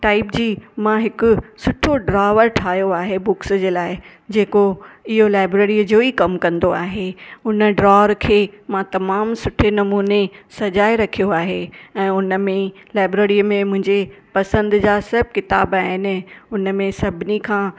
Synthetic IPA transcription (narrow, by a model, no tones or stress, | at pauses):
ʈaːɪpd͡ʑiːmãɦɪkʊsʊʈʰoɖɾaːʋəɾʈʰaːjoaːɦebʊksd͡ʑeːlaːɪ | d͡ʑeːkoɪɦolaːɪbɾeːɾid͡ʑoːikɐmkɐ̃nd̪oaːɦeʊnə̆ɖɾaːʋəɾkʰeːmãt̪ɐmaːmsʊʈʰenɐmuːnesɐd͡ʑaːeɾɐkʰijoaːɦeɛ̃ːʊnə̆mẽlaːɪbɾeːɾiəmẽmʊ̃ɦɪ̃ɲd͡ʑepɐsə̃nd̪d͡ʑaːsɐb̚ʱkɪt̪aːbaːɦɪnɪ̆ʊnəmẽsɐbʱɪnikʰãː